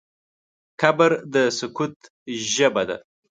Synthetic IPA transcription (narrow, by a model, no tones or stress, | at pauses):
kabəɾd̪əsʊkut̪ | ʒəbad̪a̰